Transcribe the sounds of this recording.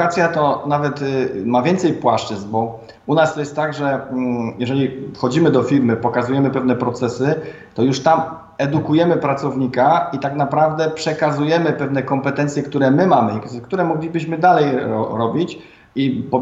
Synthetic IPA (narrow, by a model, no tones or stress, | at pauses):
at̪sʲjat̪ɔnavɛt̪mavʲjɛnt̪sɛjpwaʂt͡ʂɘznbɔ | unast̪ɔjɛst̪ːaɡʐɛjɛʐɛlʲifxɔd͡ʑimɘd̪ɔfʲiɾmɘpɔkazujɛmɘpɛvn̪ɛpɾɔt̪sɛsɘ | t̪ɔjuʂt̪am | ɛd̪ukujɛmɘpɾat̪sɔvɲikait̪aknapɾavd̪ɛpʂɛkazujɛmɘpɛvn̪ɛkɔmpɛt̪ɛnt̪sjɛkt̪uɾɛmɘmamɘk̪kt̪uɾɛmɔɡlʲibɘɕmɘd̪alɛjɾɔ̰ɾɔbʲit͡ɕ | ipɔ